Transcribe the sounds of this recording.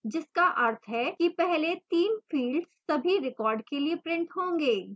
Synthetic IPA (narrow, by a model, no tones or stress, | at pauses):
d͡ʒɪskaʔɐɾt̪ʰɦɛkipɛɦlet̪iːnfʰiːlɖsɐbʱiɾɪkɔːɾɖkeliepɾɪ̃ɳʈɦõːŋɡeː